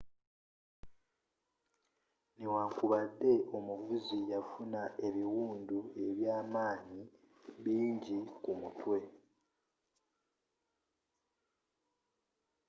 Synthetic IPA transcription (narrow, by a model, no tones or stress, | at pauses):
newaːŋkuβadːe̞ʔo̞muvuzijafunaʔe̞βiwuːndue̞βjaːmaːɲi | βiːɲɟikumutwe̞